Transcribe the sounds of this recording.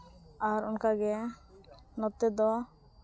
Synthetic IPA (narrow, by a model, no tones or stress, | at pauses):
aɾunkaɡɛ | nɔt̪ɛd̪ɔ